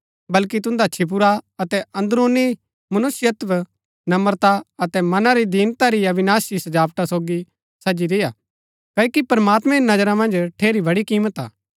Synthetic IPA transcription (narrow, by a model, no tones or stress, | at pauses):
bɐlkit̪̬ʊ̃nd̪at͡ʃʰɪp̬ʊɾaɐt̪ɛɐ̃nd̪ɾoːni | mɐnʊsɪjət̪ʋ | nɐməɾt̪aɐt̪ɛmɐnãɾid̪iːnt̪aɾiɐbɪnaːsisɐd͡ʒaːpʈ̪asoːɡi | sɐd͡ʒiɾɪja | kɐːkipɐɾmaːt̪mɛ̃nɐd͡ʒəɾamɐ̃nd͡ʒʈʰeːɾibɐɽikiːmət̪a̰ː